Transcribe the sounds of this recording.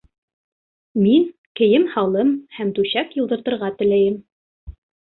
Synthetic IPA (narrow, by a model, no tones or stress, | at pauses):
min | kɘ̆jɘmhɑlˠɤmhæmt̪ʉɕækjŭlˠd̪ɤ̆ɾt̪ɤ̆ɾʁɑt̪ɘ̆læjɘm